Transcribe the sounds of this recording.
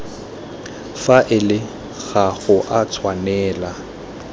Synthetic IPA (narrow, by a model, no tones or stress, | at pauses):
faʔɪlɪ | ɣaɣʊʔat͡sʰwanɛːla